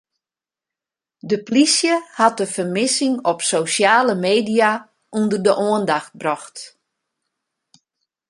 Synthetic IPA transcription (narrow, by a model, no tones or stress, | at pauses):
dəplisjəhat̚dəfərmɪsɪŋɔpsoːsjaːləmeːdija | undərdəʔoəndaxt̚brɔxt